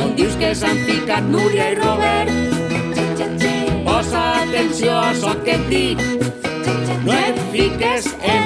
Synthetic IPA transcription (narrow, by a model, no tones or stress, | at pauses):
õnd̪iwskesaɱfikat̪nuɾjairoβɛɾt̪ | pɔsat̪ensjoasɔked̪i | noefikese